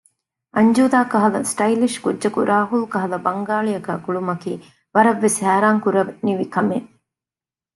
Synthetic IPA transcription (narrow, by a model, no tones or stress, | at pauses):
ʔɐɲd͡ʒuːd̪aːkɐɦɐlɐsʈɐiliʃkudːʒɐkuɾʔaːɦulkɐɦɐlɐbɐŋɡaːɭijɐkæːkuɭumɐkiː | ʋɐɾɐʋːeshæːɾaːŋkuɾɐʋniʋikɐme